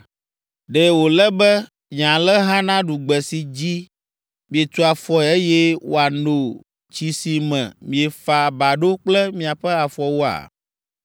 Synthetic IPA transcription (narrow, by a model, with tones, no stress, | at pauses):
ɖe˨wo˨lɛ˦bɛ˦ | ɲã˨lɛ˦ɦã˦nã˦ɖu˨ɡ͡bɛ˨si˨d͡ʑi˦ | mĩ˨e˨t̪u˦a˨fɔ˦˨e˦jɛ˦wo˨a˨no˨ | t͡ɕi˨si˨mɛ̰̃˨mĩ˨˦e˨fa˨ba˨ɖo˦k͡plɛ˦mĩ˨a˨ɸɛ˦a˨fɔ˨wo˦a̰˨